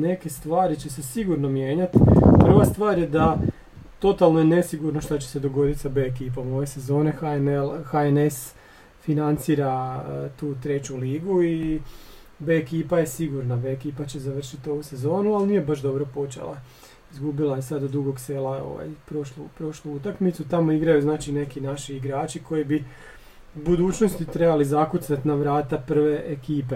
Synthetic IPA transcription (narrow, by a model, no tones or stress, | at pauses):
ne̞ke̞st̪ʋaːɾit͡ɕe̞sesiɡuɾno̞mje̞ːɲat̪pr̩ʋast̪ʋaːɾje̞d̪a | t̪o̞t̪alˠno̞jene̞siɡuɾnoʃt̪at͡ɕe̥se̞d̪oɡo̞d̪it̪sabe̞ːkiːp̬amojese̞zo̞ːnexalxaene̞s | finant̪siːɾat̪uːt̪ɾe̞t͡ɕuliːɡui | be̞ːkiːpaje̞siɡuɾnabe̞ːkiːpat͡ɕe̞zaʋr̩ʃit̪o̞ʋuse̞zo̞ːnualˠniːje̞baʃd̪o̞bɾo̞po̞t͡ʃḛlˠa̰ | izɡubilˠajesad̪od̪uɡo̞ɡseːlao̞̰ʋa̰jpɾoʃlupɾo̞ʃluut̪akmit̪sut̪amoiɡɾajuznaːt͡ʃine̞kinaʃiːɡɾaːt͡ʃiko̞jibi | ubud̪uːt͡ʃno̞st̪it̪ɾe̞balizakut̪sat̪naʋɾaːt̪apr̩ʋe̞ʔekiːpe